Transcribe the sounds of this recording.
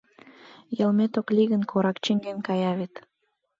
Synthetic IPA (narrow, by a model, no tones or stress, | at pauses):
jəlmet̪oklʲiɣə̆nkʰoɾɑkt͡ɕeŋɡenkɑjɑβet̪